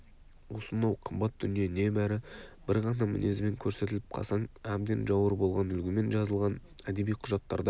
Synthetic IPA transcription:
wo̞sənːɑwqʰəmbɑt̪̚d̪ʏnije̞ne̞bæɾɪb̥ɪɾʁɑnɑmɪ̰ne̞zme̞ŋkʲʰɵɾse̞t̪ɪlɪp̚qʰɑ̰sɑɴæbd̪enʒɑwəɾbo̞lˠʁɑnʏlɡʲɪme̞nʒɑzəlˠʁɑnæd̪e̞bijqʰʊʒɑt̪ːɑ̰ɾd̪ɑ

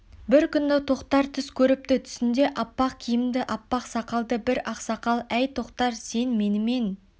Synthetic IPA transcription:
bɪɾkʲʏnd̪ɪt̪ʰo̞qt̪ɑɾt̪ʰʏskʲʰɵɾɪp̚t̪ɪt̪ʰʏ̥sɪnd̪e̞ʔɑpːɑqkʲʰijɪmd̪ɪʔɑpːɑqsɑqɑlˠd̪əbɪɾɑqsɑqɑlˠæjt̪ʰo̞qt̪ɑɾse̞nme̞nɪme̞n

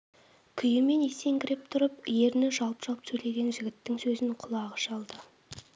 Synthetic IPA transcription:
kʲʰʏjɪme̞ne̞se̞ŋkʲɪɾep̚t̪ʰʊɾəp̚je̞ɾɪnɪʒɑlˠəpʒ̥ɑlˠəpsʰɵjle̞ɡʲe̞nʒɪɡʲɪt̪ːɪŋsɵzɪŋqʰʊlˠɑʁəʃɑlˠd̪ə

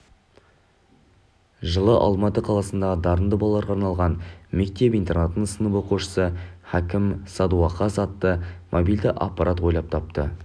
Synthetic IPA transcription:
ʒəlˠəʔɑ̰lˠmɑt̪əqʰɑlˠɑsənd̪ɑʁəd̪ɑɾənd̪əbɑlˠːɑɾʁɑɾnɑlˠʁɑnme̞k̚t̪e̞p̬ijnt̪e̞rnat̪ənəɴsənəboquʃə̥səhækʲɪmsɑd̪uɑqːɑsɑt̪ːəmʔobijld̪ɪʔa̰pːɑɾʔat̪wo̞jlˠɑp̚t̪ʰɑp̚t̪ə

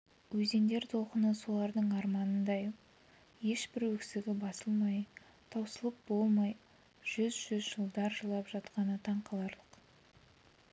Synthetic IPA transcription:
wɵze̞nd̪e̞ɾt̪ʰo̞qənəso̞lˠɑɾd̪əɴɑɾmɑnənd̪ɑj | e̞ʃbɪɾwɵksɪɡʲɪbɑsəlˠmɑj | t̪ʰɑwsəlˠəp̚bo̞lˠmɑj | ʒ̥ʏzʒʏzʒəlˠd̪ɑɾʒəlˠɑpʒ̥ɑt̪qɑnət̪ʰɑɴqɑlˠɑɾlˠəq

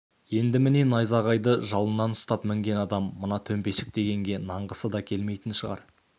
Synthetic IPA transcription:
je̞nd̪ɪmɪne̞nɑjzɑʁɑjd̪əʒɑlˠənːɑnʊst̪ɑpmɪŋɡʲe̞nɑd̪ɑmːənɑt̪ʰɵmpe̞ʃɪk̚d̪e̞ɡʲe̞ŋɡʲe̞nɑɴʁəsəd̪ɑkʲʰe̞lme̞jt̪ɪnʃəʁɑ̰ɾ

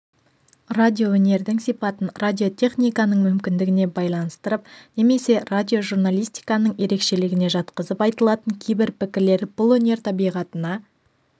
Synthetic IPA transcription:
rad̪ʲio̞wɵne̞ɾd̪ɪŋsijpɑt̪ənradʲio̞t̪ʰʲe̞χnijkɑnəɴmʏmkʲɪnd̪ɪɡʲɪne̞bɑjlˠɑnəst̪əɾəp̚ne̞me̞se̞radʲio̞ʒurnalˠijst̪i̥jkɑnəɴje̞ɾe̞kʃe̞lɪɡʲɪne̞ʒɑt̪qəzəpɑjt̪əlˠɑt̪əŋkʲʰejbɪɾpɪkʲɪɾle̞ɾb̥ʊlˠwɵne̞ɾt̪ʰɑbijʁɑt̪ənɑ

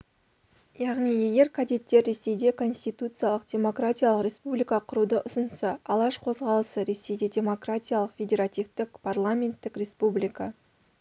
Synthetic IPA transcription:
jɑʁnije̞ɡʲe̞ɾkʰad̪ʲet̪ːe̞ɾːe̞se̞jd̪e̞kʰo̞nsʲt̪ijt̪ut̪sɨjalˠəqdʲe̞mo̞kɾatʲijalˠəqɾʲe̞spublʲijkɑqʰʊɾud̪əʔʊsənsɑɑlˠɑʃqʰo̞zʁɑlˠəsəɾe̞se̞jd̪e̞dʲe̞mo̞kratʲijalˠəqfʲe̞dʲe̞ɾat̪ʲivt̪ɪkpʰarlˠamʲe̞nt̪ːɪkrʲe̞spublʲijka

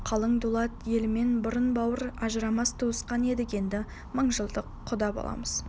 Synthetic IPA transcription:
qʰɑlˠəɴd̪ulˠɑt̪je̞lme̞nbʊɾənbɑwəɾɑʒəɾɑmɑst̪ʰuwəsqɑne̞d̪ɪke̞nd̪ɪ | məɴʒəlˠd̪əqʰːʊd̪ɑbo̰lˠɑ̰məz̥

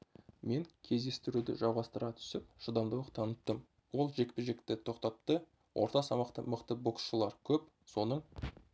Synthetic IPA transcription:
me̞ŋkʲʰe̞zd̪e̞st̪ɪɾud̪ɪ̰ʒɑwʁɑst̪əɾʁɑt̪ʰʏ̥sɪp̚ʃəd̪ɑmd̪ɑwt̪ʰɑnət̪ːəm | wo̞lˠʒe̞kʲpɪʒe̞kt̪ɪt̪ʰo̞qt̪ɑp̚t̪ə | wʔo̞̰ɾt̪ɑsɑmɑqt̪ə̰məqt̪əbo̞ksʃəlˠɑɾkʲʰɵp | so̞nəɴ

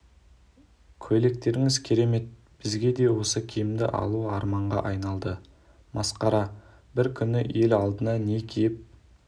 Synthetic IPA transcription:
kʲʰɵle̞k̚t̪e̞ɾɪŋɪzkʲʰe̞ɾe̞me̞t̪̚ | b̥ɪzɡʲe̞d̪e̞wo̞səkʲʰijɪmd̪ɪ̰ʔɑ̰lˠuɑɾmɑɴʁɑ̰ʔɑjnɑlˠd̪ə | mɑsqɑɾɑ | bɪɾkʲʰʏnɪe̞lɑlˠd̪ənɑne̞kʲʰejɪp̚

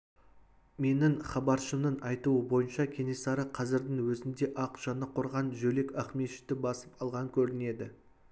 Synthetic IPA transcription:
me̞nɪɴχɑbɑɾʃəmnəɴɑjt̪uəbo̞jənʃɑkʲʰe̞ne̞sɑɾəqʰɑzɪɾd̪ɪŋwɵzɪnd̪e̞ʔɑqʒ̥ɑnəqʰoɾʁɑnʒɵle̞kæχme̞ʃɪ̥t̪ːɪbɑsə̥pɑlˠʁɑkʲʰɵɾɪne̞d̪ɪ

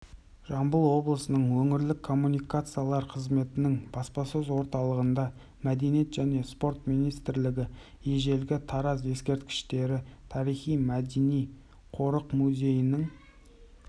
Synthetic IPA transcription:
ʒ̥ɑmbəlˠwo̞blˠəsənəɴwɵŋɪɾlɪkʰːo̞mːunijkat̪sɨjalˠɑɾqʰəzme̞t̪ɪnɪŋbɑspɑsəzwo̞ɾt̪ɑlˠəʁənd̪ɑ | mæd̪e̞nije̞t̪ʒ̥æne̞spo̞ɾt̪mijnijst̪ɾlɪɡʲɪ | je̞ʒe̞lɡʲɪt̪ʰɑɾɑz̬e̞skʲe̞ɾt̪kʲɪ̥ʃt̪e̞ɾɪt̪ʰɑɾijχijmæd̪e̞nij | qʰo̞ɾəqmuzʲe̞jɪnəŋ

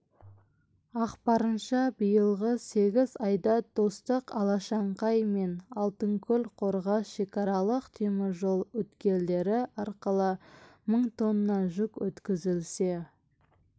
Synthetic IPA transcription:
ɑqpɑɾənʃɑbəjəlˠʁəse̞ɡʲɪzɑjd̪ɑd̪̥o̞st̪əqɑlˠɑʃɑɴqɑjme̞nɑlˠt̪əŋkʲʰɵlqʰo̞ɾʁɑsʃe̞kɑɾɑlˠəqt̪ʰemɪɾʒo̞lˠwɵt̪kʲe̞ld̪e̞ɾɪɑɾqəlˠəməɴt̪ʰo̞nəːɑʒʊkwɵt̪kʲɪzɪlse̞

